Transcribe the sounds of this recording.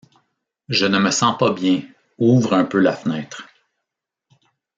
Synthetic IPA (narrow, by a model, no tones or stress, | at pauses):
ʒənəməsɑ̃pabjɛ̃ | uvʁœ̃pølafnɛːt̪χ